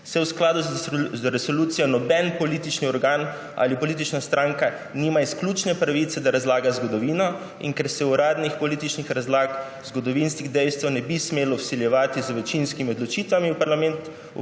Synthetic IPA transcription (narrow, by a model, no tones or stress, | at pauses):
sɛwsklaːd̪uɾɛsolut̪sijɔnɔbɛnpɔlit̪it͡ʃniɔɾɡaːn | a̰lipɔlit̪̬it͡ʃnast̪ɾʔaŋka | niːmaisklʲut͡ʃnɛpɾaʋit̪sɛd̪aɾazlaːɡazɡɔd̪ɔʋiːnɔ | ḭŋkɛɾsɛuɾaːd̪nixpɔlit̪it͡ʃnixɾazlaːk | zɡɔd̪ɔʋinskiɣd̪ɛjst̪ʋanɛbismeːlɔwsiljɛʋaːt̪izʋɛt͡ʃinskimiɔd̪lɔt͡ʃit̪ʋamiwpaɾlamɛnt̪